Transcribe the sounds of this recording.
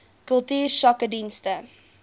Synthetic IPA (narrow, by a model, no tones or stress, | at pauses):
kɵlˠtyːrsɐkədinstə